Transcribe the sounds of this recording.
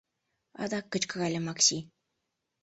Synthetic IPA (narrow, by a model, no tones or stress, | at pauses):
ɑ̰d̪ɑkːə̆t͡ɕkɤ̆ɣɑlʲɘ̆mɑkɕi